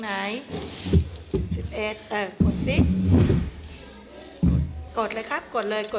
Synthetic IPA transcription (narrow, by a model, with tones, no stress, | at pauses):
naː˨˦j | si˨˩p̚ʔeː˨˩t̪̚ʔaː˧˩ko˨˩t̪̚si˧˥˩k̚ | koː˨˩t̪̚laː˧jkʰa˦˥˩p̚kɔː˨˩nlɤː˧jko˨˩